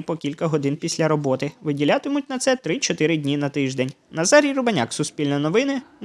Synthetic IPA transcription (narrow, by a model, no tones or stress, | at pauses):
pɔkʲilʲkɐɦɔd̪ɪnpʲisʲlʲɐɾɔbɔt̪ɪʋɪdʲilʲat̪ɪmʊt̚ʲnɐt̪sɛt̪ɾɪt͡ʃɔt̪ɪɾɪdʲnʲinɐt̪ɪʒd̪ɛnʲ | nɐzɑɾʲijrʊbɐnʲa̰ksʊspʲilʲnɐnɔʋɪnɪn